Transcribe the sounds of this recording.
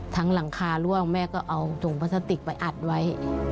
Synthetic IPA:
t̪ʰa˦˥ŋla˩˦ŋkʰaː˧lu˥˩əŋmɛː˥˩kɔː˥˩ʔa˧wt̪o˨˩˦ŋpʰaː˦˥saː˧˥t̪i˨˩k̚pa˧jʔa˨˩t̪̚wa˦˥j

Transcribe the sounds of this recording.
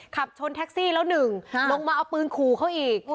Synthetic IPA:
kʰa˨˩p̚t͡ɕʰo˧nt̪ʰɛ˦˥k̚siː˥˩lɛ˦˥wnɯ˨˩ŋlo˧ŋmaː˧ʔa˧wpɯː˧nkʰuː˨˩kʰa˦˥wʔiː˨˩k̚

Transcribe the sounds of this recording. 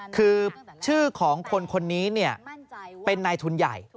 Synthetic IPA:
kʰɯː˧t͡ɕʰɯː˥˩kʰɔː˩˦ŋkʰo˧nkʰo˧nːiː˦˥ni˥˩ɐpe˧nːaː˧jt̪ʰu˧nja̰˨˩j

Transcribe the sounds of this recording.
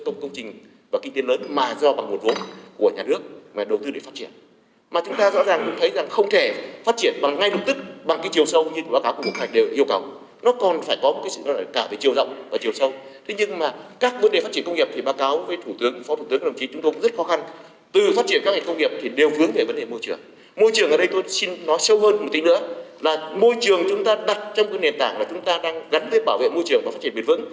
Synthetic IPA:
kə˧wŋ͡mkə˧wŋ͡mt͡ɕï˨˩ŋ̟ | vaː˨˩ki˧ŋt̪e˨˦ləː˨˦nmaː˨˩zɔ˧ɓa˨˩ŋmo˨˩t̚vo˨˦nku˧˩əɲaː˨˩nɨ˦˥ək̚maː˨˩ɗə˨˩wt̪ɨ˧ɗe˧˩faː˦˥t̚t͡ɕi˧˩ən | maː˨˩t͡ɕʊ˨˦ŋ͡mt̪aː˧zɔ̰˧˥zaː˨˩ŋkʊ̰˧˥ŋ͡mt̪ʰə˨˦jza˨˩ŋxə˧wŋ͡mt̪ʰe˧˩faː˦˥t̚t͡ɕi˧˩ənɓa˨˩ŋːa˧jlə˨˩p̚t̪ɨ˦˥k̚ɓa˨˩ŋka˨˦jt͡ɕi˨˩əwsə˧wɲɨ˧ɨ˧˩ɓaː˨˦kaː˨˦wku˧˩mo˨˩ŋa˨˩ŋ̟ɗe˨˩whi˧əwka˨˦w | nɔ˨˦kɔ˨˩nfaː˧˩jkɔ˨˦mo˨˩t̚kaː˨˦sɨ̰˧˨nɔ˨˦laː˨˩kaː˧˩ve˨˩t͡ɕi˨˩əwzə̰˧˨wŋ͡mvaː˨˩t͡ɕi˨˩əwsə˧wt̪ʰe˨˦ɲɨ˧ŋmaː˨˩kaː˦˥k̚və˨˦nɗe˨˩fa˦˥tt͡ɕi˧˩ə˨nkə˧wŋ͡mŋi˨˩əp̚t̪i˨˩ɓaː˨˦kaː˨˦wvəː˨˦jt̪ʰu˧˩t̪ɨ˨˦əŋfɔ˨˦t̪u˧˩t̪ɨ˨˦ŋk̚ːɗə˨˩ŋ͡mt͡ɕi˨˦t͡ɕʊ˨˦ŋ͡mt̪o˧kŋ͡mzə˦˥t̚xɔ˨˦xa˧n | t̪ɨ˨˩faː˦˥t͡ɕi˧˩ənkaː˦˥k̚ŋa˨˩kə˧wŋ͡mŋi˨˩p̚t̪ʰi˨˩ɗe˨˩wfɨ˨˦əŋve˧˩və˨˦nɗe˨˩mo˧jt͡ɕɨ˨˩əŋ | mo˧jt͡ɕɨ˨˩əŋʔə˨˩ɗə˧jt̪o˧jsi˧nnɔ˨˦jsə˧wɦəː˧nm˨˩t̪ï˨˦nɨ̰˧˥əlaː˨˩mo˧jt͡ɕɨ˨˩əŋt͡ɕʊ˨˦ŋ͡mt̪aː˧ɗa˨˩t̚t͡ɕɔ˧wŋ͡mkːjne˨˩nt̪aː˧˩ŋlaː˨˩t͡ɕʊ˨˦ŋ͡mt̪aː˧ɗaː˧ŋɣa˨˦nt̪i˧ən̚ɓaː˧˩wvḛ˧˨mo˧jt͡ɕɨ˨əŋvaː˨˩f̚t͡ɕi˧˩ə˨ɓi˨˩əvɨ̰˧˥n

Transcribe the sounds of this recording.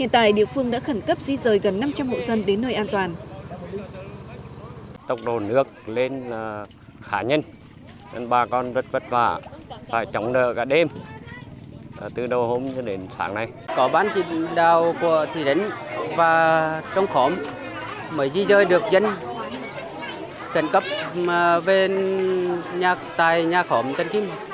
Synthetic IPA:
hḭ˧˨nt̪a̰ː˧˨jɗḭ˧˨əfɨ˧əŋɗa̰ː˧˥xə˧˩nkə˦˥p̚zi˧zəː˨˩jɣə˨˩nːa˧mt͡ɕa˧mːo̰˧˨zə˧nɗe˨˦nːəː˧jʔaː˧nt̪waː˨˩n | t̪ə˨˩wk͡p̚ɗo˨˩nɨ˦˥ək̚le˧n˨˩ | xaː˧˦ɲə˧n | zə˧nɓaː˧kɔ˧nvə˨˩t̚və˨˩t̚faː˧˩faː˧˩jt͡ɕɔ˨˦wŋ͡mɗə̰ː˧˨kaː˧˩ɗe˧m˨˩ | t̪ɨ˨˩ɗə˧˩who˧mt͡ɕɔ˧ɗe˨˦nsa̰ː˨˦ŋna˨˩jkɔ˨˦ɓaː˧nt͡ɕḭ˧˨ŋɗaː˨wku˧˩˨ət̪ʰi˧˩ɗə˨˦ŋvaː˨˩t͡ɕɔ˧wŋ͡mxɔ˨˦m | məː˨˦jzi˧zəː˧jɗɨ˨˩ək̚zə˧n | kə˨˧˩nkə˦˥p̚ːve˧ | ɲaː˨˩k̚t̪aː˨˩jɲaː˨˩xɔ˨˦mt̪ə˧˨nki˧m

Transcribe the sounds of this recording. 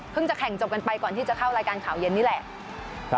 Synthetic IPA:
pʰɯ˥˩ŋt͡ɕa˨˩kʰɛ˨˩˦ŋt͡ɕo˨˩p̚ka˧npa˧jkɔː˨˩nt̪ʰiː˥˩t͡ɕa˨˩kʰa˥˩wɾaː˧jkaː˧nkʰaː˩˦wje˧nːiː˦˥˩lɛ˨˩ʔʰ

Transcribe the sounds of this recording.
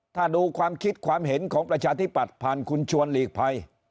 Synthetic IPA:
t̪ʰaː˥˩duː˧kʰwaː˧mkʰi˦˥t̪̚kʰwaː˧mɦe˩˦nkʰɔː˩˦ŋpɾa˧t͡ɕʰaː˧t̪ʰi˦˥˩pːa˨˩t̪̚pʰaː˨˩nkʰu˧nt͡ɕʰu˧ənliː˨˩k̚pʰa˧j

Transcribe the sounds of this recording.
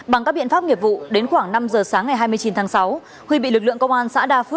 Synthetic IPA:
ɓa˨˩ŋkaː˦˥k̚ɓi˧˨nfaː˦˥p̚ŋi˨˩əp̚vṵ˧˨ɗe˨˦nxwaː˧˩ŋna˧mzəː˨˩saː˨˦ŋːa˨˩jɦaː˧jmɨ˧ət͡ɕi˨˦nt̪ʰaː˨˦ŋsa˨˦w | hwi˧ɓḭ˧˨lɨ˨˩k̚lɨ̰˧˨əŋkə˧wŋ͡mʔaː˧nsa̰ː˧˥ɗaː˧f̚

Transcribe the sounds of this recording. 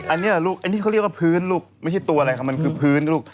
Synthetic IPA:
ʔa˧nːi˦˥˨luː˥˩k̚ʔa˧n˧iː˦˥kʰa˥˩ɾe˥˩kwa˥˩pʰɯː˦˥nluː˥˩k̚ma˥˩jt͡ɕʰa˥˩jt̪u˧ɐʔa˧ɾa˧jkʰa˦˥p̚ma˧nkʰɯː˧pʰɯː˦˥nluː˥˩k̚

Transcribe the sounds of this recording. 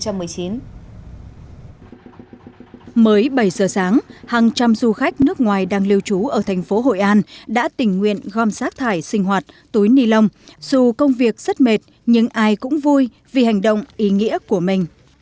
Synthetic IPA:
t͡ɕa˧mːɨ˨˩əjt͡ɕi˨˦n | məː˨˦jɓə˧˩jzəː˨˩saː˨˦ŋhaː˨˩ŋt͡ɕa˧mzu˧xa˦˥jk̟̚nɨ˦˥ək̚ŋwaː˨˩jɗaː˧ŋli˧əwt͡ɕu˨˦ʔəː˧˩t̪ʰɛ˨˩jŋ̟fo˨˦ɦo̰˧˨jʔaː˧nɗa̰ː˧˥t̪ï˧˩ŋ̟ŋwḭ˧˨ənɣɔ˧msaː˦˥k̚t̪ʰaː˧˩jsï˧ŋ̟ɦwaː˨˩t̚t̪u˨˦jni˧lə˧wŋ͡mz̥u˨˩kə˧wŋ͡mvi˨˩ək̚z̥ə˦˥t̚me˨˩t̚ | ɲɨ˧ŋʔaː˧jkʊ̰˧˥ŋ͡mvu˧j | vi˨˩ha˨˩jŋ̟ɗə̰˧˨wŋ͡mʔi˨˦ŋḭ˧˥əku˧˩əmï˨˩ŋ̟

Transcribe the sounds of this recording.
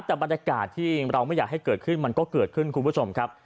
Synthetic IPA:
p̚t̪ɛː˨˩ba˧nja˧kaː˨˩t̪ʰːiː˥˩ɾa˧wma˥˩jaː˨˩k̚ha˥˩jkɤː˨˩t̪̚kʰɯ˥˩nma˧nkɔː˥˩kɤː˨˩t̪̚kʰɯ˥˩nkʰu˧npʰu˥t͡ɕʰo˧mkʰɾa˦˥p̚

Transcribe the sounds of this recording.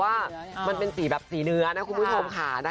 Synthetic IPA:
waː˥˩ma˧npe˧npi˨˩bɛː˨˩p̚siː˨˩˦nɯ˧˩˦ɐna˦˥kʰu˧nbuː˥˧˩t͡ɕʰo˧mkʰaː˧˩˨na˦˥

